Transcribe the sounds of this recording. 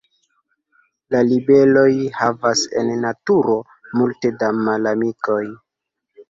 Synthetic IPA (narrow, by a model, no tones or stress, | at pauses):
lalibe̞lo̞jhavase̞̰nːatuɾo̞ | multe̞damalamiko̞j